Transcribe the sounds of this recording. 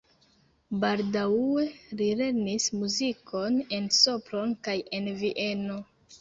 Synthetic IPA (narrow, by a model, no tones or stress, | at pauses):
baldae̞ɾile̞ɾnismuzikʰo̞ne̞nso̞pɾo̞nkaje̞nviʔe̞no̞